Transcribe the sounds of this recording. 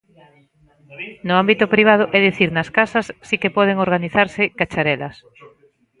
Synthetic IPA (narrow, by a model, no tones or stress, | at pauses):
nʊambit̪ʊpɾiβ̞að̞ʊʔɛðiθiɾnɐskasɐsːikepɔð̞eŋoɾɣaniθaɾsɪkat͡ʃaɾɛlɐ̰s